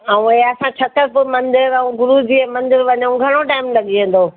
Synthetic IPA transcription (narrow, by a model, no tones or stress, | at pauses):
aːũeɦɐsãt͡ɕʰɐt̪əɾpʊmɐ̃nd̪ɪɾaũɡʊɾud͡ʑiːɛ̃mɐ̃nd̪ɪɾʋɐɲãũɡʱɐɽ̃oʈaːɪmlɐɠiẽːn̆d̪oː